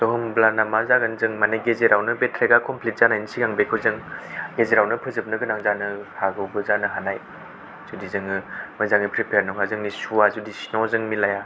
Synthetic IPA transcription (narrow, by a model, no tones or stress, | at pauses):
soɦɯmblanamazaɡɯnzɯŋmaneɡezeɾawnɯbetʰɾeɡakʰɔmpʰlit̚z̥anajnsiɡaŋbekʰɯzɯŋɡezeɾawnɯpʰɯzɯp̚nɯɡɯnaŋzanɯhʰaɡɯwbɯzanɯɦanaj | z̥udizɯŋɯmɯzaŋnipʰɾipʰeɾnɔkʰazɯŋnisuazudisinɔzɯŋmilaja